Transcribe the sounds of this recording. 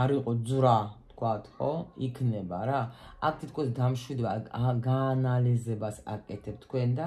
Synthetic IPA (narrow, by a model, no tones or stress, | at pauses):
aɾiqʼɔzɾat̪ʰkʰwat̪ʰχɔikʰnɛbaɾaa̰k̚ʰt̪ʰit̪̚ʰkʰɔsd̪amʃwid̪ɛbaɡaːnalizɛbasa̰kʼɛt̪ʰɛb̚t̪ʰkʰwɛnd̪a